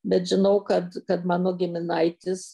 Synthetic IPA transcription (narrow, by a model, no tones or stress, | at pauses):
bʲɛt̪ʒʲɪnɐʊkɐt̪kɐt̪mɑːnoːɡʲɪmʲɪnɐɪt̪ʲɪs